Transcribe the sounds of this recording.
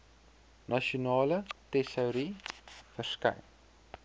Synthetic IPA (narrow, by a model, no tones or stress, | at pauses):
nɐʃionɑːlətɛsəwɾifərskɐ̰jn